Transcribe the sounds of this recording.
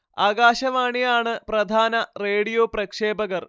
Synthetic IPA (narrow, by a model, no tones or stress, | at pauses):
aːɡaːɕɐʋaːɳijaːɳɨprɐd̪ʱaːnɐreːɽijoːprɐkʂeːbɐɣɐr